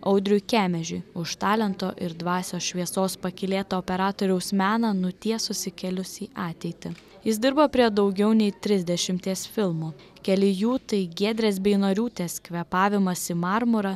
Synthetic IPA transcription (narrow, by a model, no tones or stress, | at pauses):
ɐʊd̪ʲɾʲʊkʲæːmʲɛʒʲʊɪʊʃt̪ɑːlʲɛnt̪oːʔɪɾd̪ʋɑːsʲoːsʃʲʋʲiɛsoːspɐkʲɪlʲeːt̪oːpʲɛɾɑːt̪oːɾʲɛʊsmʲæːnɑnʊt̪ʲiɛsʊsʲɪkʲɛlʲʊsʲiːʔɑːt̪ʲɛɪt̪ʲɪ | jɪs̬d̪ʲɪɾbɐpʲɾʲiɛd̪ɒʊɡʲɛʊnʲɛɪt̪ʲɾʲɪzʲd̪ʲɛʃʲɪmʲt̪ʲiɛsfʲɪlˠmuː | kʲɛlʲɪjuːt̪ɐɪɡʲiɛd̪ʲɾʲeːsbʲɛɪnoːɾʲuːt̪ʲeːskʲʋʲɛpɑːʋʲɪmɐsʲɪmɑɾmʊɾɐ